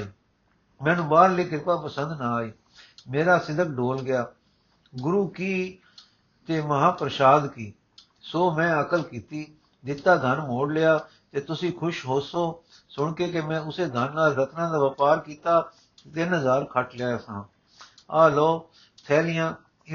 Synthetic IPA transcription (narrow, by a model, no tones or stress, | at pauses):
mɛ̃ːnũːbaːɾleːkɪtaːpəsə̃nd̪nãːiː | meːɾaːsɪd̪əkɖoːlɡɪjaː | ɡʊɾuːkiː | t̪eːməɦãːpɾəʃaːd̪kiː | soːmɛ̃ːəkəlkiːt̪iː | d̪ɪt̪ːaːd̪ʱənmoːɽlɪjaː | t̪eːt̪ʊsĩːkʰʊʃɦoːsoː | sʊɳkeːkemɛ̃ːʊseːd̪ʱənːaːlɾət̪nãːd̪aːʋəpaːɾkiːt̪aː | et̪ɪnɦəzaːɾkʰəʈleaːsãː | aːlɔː | t̪ʰɛːlɪjãː